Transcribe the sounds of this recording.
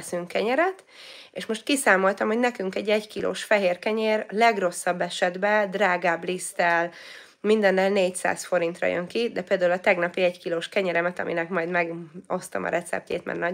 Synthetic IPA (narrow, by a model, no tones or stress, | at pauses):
syŋkːɛɲɛɾɛt̪ | eʃmo̞ʃt̪kisaːmo̞lt̪ɒmho̞ɟnɛkyŋkɛɟːɛɟkilo̰ːʃfɛɦeːrkɛɲeːrlɛɡro̞sːɒbːɛʃɛd̪bɛd̪raːɡaːblist̪ɛl | mind̪ɛnːɛlneːcsa̰ːsfo̞ɾint̪rɒ̰jø̰ŋkid̪ɛpeːld̪aːulɒt̪ɛɡnɒpiɛckiloːʃkɛɲɛɾɛmɛt̪ɒ̰mʔinɛkmɒjd̪mɛɡo̞st̪ɒ̰mʔɒ̰ɾɛt̪sɛ̰p̚cḛːt̪mɛ̰rnɒ